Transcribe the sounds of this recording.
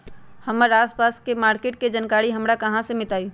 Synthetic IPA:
hɐməɾaːspaːskemaːɾkeːʈ̚ked͡ʒənkaːɾiɦɐmɾakɐɦãsemɪt̪aːiː

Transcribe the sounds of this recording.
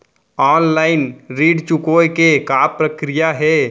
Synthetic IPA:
ɔːnlaːɪnɾiːɖt͡ʃukojkekaːpɾəkɾijaɦɛ

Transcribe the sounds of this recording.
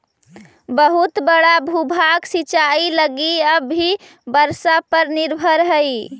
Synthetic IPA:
bəɦut̪bəɽabʱubʱaɡsit͡ʃailəɡiəbːi | bəɾsapəɾniɾbʱəɾɦəj

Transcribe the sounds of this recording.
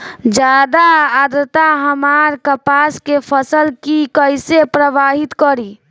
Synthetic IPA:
d͡ʒad̪aːd̪ɾət̪aɦəmaɾkəpaskepʰəsəlkikəjsepɾəʋaɦit̪kəɾi

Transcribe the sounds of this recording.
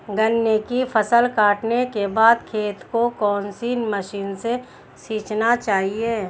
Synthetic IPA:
ɡənːekifʰəsəlkaːʈnekebaːd̪kʰeːt̪kokɔːnsiːnməʃiːnse | siːt͡ʃnat͡ʃaːɦieː

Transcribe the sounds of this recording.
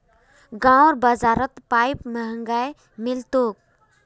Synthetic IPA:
ɡãɾbəzaːɾət̪paːjpməɦəŋɡaj | mɪlt̪oːk̚

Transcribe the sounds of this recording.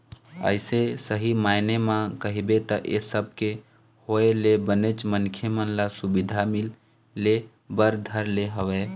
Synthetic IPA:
ə̰ɪsesəɦimaɪnemãkəɦibet̪əʔesəb̚ʱke | hoelebənet͡ʃmənkʰjəmənlasubid̪ʱamilː | e | bəɾd̪ʱəɾleɦəwe

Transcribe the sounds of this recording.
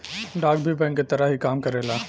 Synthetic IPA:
ɖaːk̚bʱibɛ̃ːŋkːet̪ɐɾaɦikaːmkɐɾeːlaː

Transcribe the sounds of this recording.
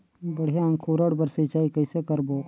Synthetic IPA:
bəɽ̤jaə̃ŋkʰuːɾəɽbəɾsɪt͡ʃaːikəɪsekəɾboː

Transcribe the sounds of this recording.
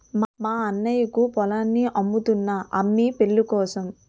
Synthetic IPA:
mmaːɐnːɐjɐkupɔlaːnːiʔɐmːut̪unːɐʔɐmːipe̞ɭːukɔːsɐm

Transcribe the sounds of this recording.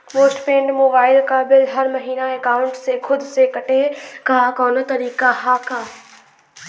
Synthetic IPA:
moːsʈpẽːɳɖmoːbaːɪlkaːbɪlɦɐɾmɐɦiːnaeːkaːʊɳʈsekʰʊd̪sekɐʈekakɔːnot̪ɐɾiːkahaːkaː

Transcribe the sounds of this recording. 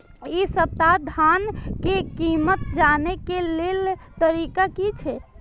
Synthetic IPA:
isət̪ad̪ʱankekimət̪d͡ʒanekelelt̪əɾikakit͡ʃʰɛ

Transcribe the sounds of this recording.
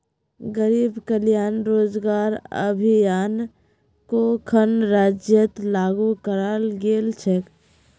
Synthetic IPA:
ɡəɾiːbkəlijaːnɾoːd͡ʒɡaːɾə̰bʱijaːn | kokʰənɾaːd͡ʒjət̪laːɡukəɾalɡeːlt͡ʃʰɛk

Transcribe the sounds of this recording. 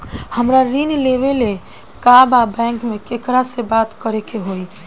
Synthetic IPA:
həmɾaɾinleʋele | kababɛ̃ŋkmekekɾasebat̪kəɾekeɦoi

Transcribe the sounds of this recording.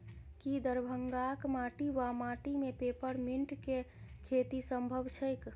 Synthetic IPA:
kid̪əɾbʱəŋɡakmaʈiʋamaʈimepepəɾmiɳʈkekʰet̪isəmbʱəbt͡ʃʰəjk

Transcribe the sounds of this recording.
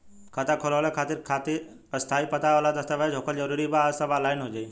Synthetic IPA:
kʰət̪akʰolʋaɭekʰaːt̪iɾkʰat̪iɾ | əst̪ʰaipət̪aʋalad̪əst̪əʋed͡ʒʱoːkʰəld͡ʒəɾuːɾibasaʋalaːɪnɦod͡ʒai

